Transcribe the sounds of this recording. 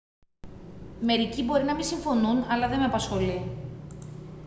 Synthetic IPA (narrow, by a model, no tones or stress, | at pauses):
me̞ɾicibo̞ɾinɐmisiɱfo̞nunɐlɐðe̞meɐpɐsxo̞li